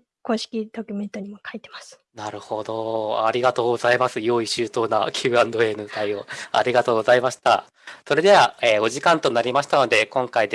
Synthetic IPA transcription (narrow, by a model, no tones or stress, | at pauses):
ko̞ːɕi̥kʲid̪̥o̞kʲyment̪oɲ̟imokait̪e̞̥masɨ̥ | naɾɯ̟ho̞d̪o̞a̰ɾʲiɡat̪o̞ːɡo̞zaimasɨjo̞ːiɕɨːt̪o̞ːnakʲʰɯːãnd̪o̞e̞ːnɯt̪aio̞a̰ɾʲiɡat̪o̞ːɡo̞zaimaɕi̥t̪a̰ | so̞ɾe̞d̪e̞βaeːo̞ʑikãnt̪o̞naɾʲimaɕi̥t̪ano̞d̪e̞kõ̞ŋkaid̪